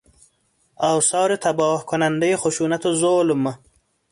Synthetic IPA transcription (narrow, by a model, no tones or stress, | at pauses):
awsɑːɾet̪abɑːhkʊnand̪əjexʊʃuːnat̪ozoːlʊma